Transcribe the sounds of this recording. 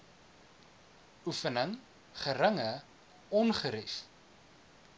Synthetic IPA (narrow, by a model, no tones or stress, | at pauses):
ʔufənəŋ | χəɾəŋə | ɔnχəɾis